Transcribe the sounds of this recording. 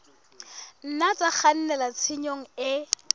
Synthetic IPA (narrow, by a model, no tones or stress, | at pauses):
n̩nat͡sʼak͡xan̩nɛlat͡sʰɪɲoŋ̩ɪ